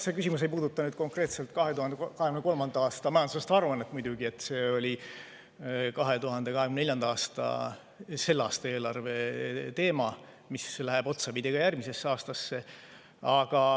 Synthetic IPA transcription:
se̞kys̬ʲimus̬e̞jpuːd̪ut̪ːˑɑnyːd̪̥ko̞ŋkre̞ːt̪se̞lt̪ˑkɑɦet̪uhɑnd̪ekɑheɡymneko̞lmɑnd̪ɑɑːst̪ɑmɑjɑnd̪usest̪ɑruɑnːet̪ːˑmujd̪̥ʲuɡie̞t̪ːˑse̞ːo̞lʲi | kɑɦe̞t̪uɦɑnd̪̥e̞kɑɦeɡymneneljɑnd̪̥ɑɑːst̪ɑ̰ | se̞lːɑːst̪ɑe̞ːlɑrve̞t̪e̞ːmɑ | mislæɦeb̥o̞t̪sɑpid̪̥ʲiɡ̥ɑjærmise̞sːeɑːst̪ɑsːe̞ | ɑɡ̥ɑ

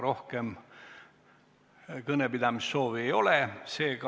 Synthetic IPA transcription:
ɾo̞hkem | kɤnepid̪̥ɑmisːo̞ːviejo̞lese̞ːkɑ

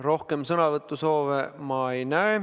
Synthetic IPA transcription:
ro̞hke̞msɤnɑvɤt̪ːˑuso̞ːvemɑejnæe

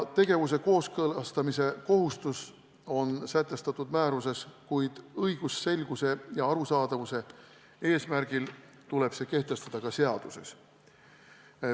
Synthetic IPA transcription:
t̪e̞ɡ̥e̞vus̬e̞ko̞ːskɤlɑst̪ɑmise̞ko̞ɦust̪us | o̞nsæt̪ːˑe̞st̪ɑt̪ːˑud̪̥mæːɾus̬e̞skujd̪̥ɤjɡ̥ussːe̞lɡ̥use̞jɑɑɾusɑːd̪̥ɑvuse̞ | e̞ːsmæɾɡ̥il | t̪ule̞b̥se̞ːke̞ht̪e̞st̪ɑd̪̥ɑkɑse̞ɑd̪̥use̞s

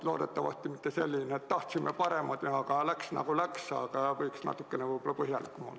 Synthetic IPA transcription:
lo̞ːd̪et̪ːɑvɑ̰st̪imit̪ːeselʲːineett̪t̪ɑht̪simːepɑɾe̞mɑd̪neɑkɑlæksnɑ̰ɡ̥ulæksɑ̰ːɡɑɑvɤjksnɑ̰t̪ːˑukːenevɤjbolːɑpɤɦjɑlikkːumo̰lː

